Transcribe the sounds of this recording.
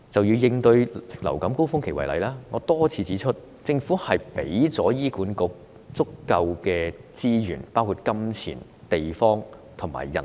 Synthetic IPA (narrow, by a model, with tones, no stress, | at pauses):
t͡sɐ˨wji˧wjɪ˧ŋt̪ɵ˧ɥlɐ̰˨˩wkɐ˨˥mko˥wfʊ˥ŋkʰe˨˩wɐ˨˩lɐ̰˨˧jlaː˥ŋɔː˨˧t̪ɔː˥t͡sʰiː˨˧t͡siː˨˥t͡ʃʰɵ˥t̚ | t͡sɪ˧ŋfuː˨˥hɐ˨jpe˨˥jt͡sɔː˨˥jiː˥kuː˨˥nkʊ˨˧k̚ | t͡sʊ˥kːɐ˧wkɛː˧t͡siː˥jyː˨˩npaː˥wkʰuː˧t̚kɐ˥mt͡sʰḭː˨˩n | t̪e˨jfɔː˥ŋ | t̪ʰʊ˨˩ŋma̰ː˨˩jːɐ̰˨˩n